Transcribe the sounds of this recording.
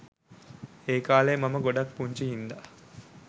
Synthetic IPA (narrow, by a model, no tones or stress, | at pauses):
eːkaːleːmɐmɐɡoɖɐk̚puɲt͡ʃiɦind̪a